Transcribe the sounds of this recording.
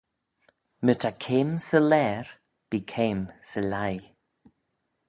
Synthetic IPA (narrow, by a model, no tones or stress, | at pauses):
mətʰakʰeːmsəlɛːɹ | b̥iːkʰeːmsəlaj